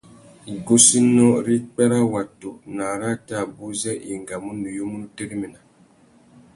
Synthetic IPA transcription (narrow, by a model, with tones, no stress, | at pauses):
ɡo˦si˦nɔ˦ɾi˦k͡pɛ˦ɾa˦wa˨to˨na˨ɾa˦ta˦˨bu˦zɛ˦ʔi˨ŋɡa˨mu˦nu˨ju˦mu˦n˦te˦ɾi˦mi˨na˨